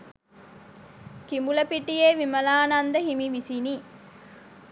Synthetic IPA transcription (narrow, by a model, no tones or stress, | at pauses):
kimuləpiʈijeːʋimɐlaːnand̪əɦimiʋisini